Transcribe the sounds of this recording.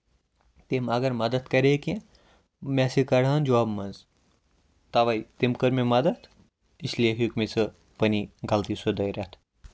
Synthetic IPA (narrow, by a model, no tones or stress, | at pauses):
t̪emɐɡɐɾmɐd̪ɐt̪kɐɾekẽ | mesikɐɽaːnd͡ʒɐwaːbmɐnz | t̪ɐʋɐjt̪imkəɾmemɐd̪ɐt̪ʰ | islieɦikmet͡sɨ | pɐniɡɐlt̪isɨd̪ɐjɾɐt̪ʰ